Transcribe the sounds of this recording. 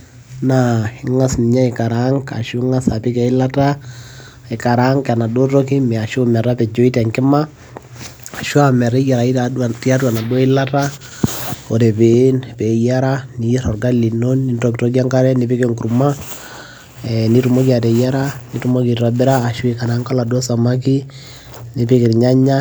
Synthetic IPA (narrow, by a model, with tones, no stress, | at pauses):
naɪ˦˨ŋa˦sni˨ɲa˦i˨ka˨ɾa˦ŋka̰˨ʃu˦ŋa˦sa˨pi˦kɛ˨i˦la˦ta˦ | i˨ka˨ɾa˦ŋka˨na˨do˦tɔ˦ki˦mɛ˨a˨ʃomɛ˨ɾa˦pɛ˨d͡ʒo˦i˦tɛ˨ŋkɪ˦ma˦ | a˨ʃu˦amɛ˨ɾɛ˦ja˨ɾa˨i˦ta˨ti˦a˦twa˨na˨do˦i˦la˦ta˦ | o˨tɛ˨pe˨˦npɛ˨ja˦ɾa˦ni˨ɾɔ˨rɡa˦li˨no˦nːi˦ntokto˦ka˦ŋka˦ɾɛ˦nipi˦ke˦ŋku˨ɾma˦ | ɛni˦tu˨mo˦ki˦a˨tɛ˨ja˦ɾa˦ni˦tu˦mo˦ki˨ɾabɪ˦ɾaː˦˨ʃu˦ɪka˨ɾa˦ŋka˦la˨dwɔ˦sa˨ma˦ki˦ | ni˨pi˦kɪ˨ɾɲa˦ɲa˦